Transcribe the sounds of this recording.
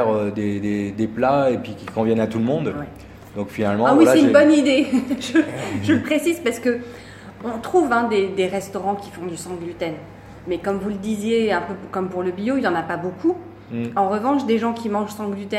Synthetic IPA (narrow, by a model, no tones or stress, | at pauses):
ɛʁød̪ed̪ed̪eplaepɥikʲikɔ̃vjɛnat̪ulmɔ̃d̪wɛ | d̪ɔ̃kfinalmɑ̃awisɛynbɔnid̪eʒəʒələpχesizpaʁsə̥kə | ɔ̃t̪χuvɛ̃d̪ed̪eʁɛst̪ɔʁɑ̃kʲi̥fɔ̃d̪ysɑ̃ɡlyt̪ɛn | mɛkɔmvuləd̪izjeɛ̃pøkɔmpuʁləbijoiljɑ̃napabokʰu | ɑ̃ʁəvɑ̃ʃd̪eʒɑ̃kʲimɑ̃ʒsɑ̃ɡlyt̪ɛ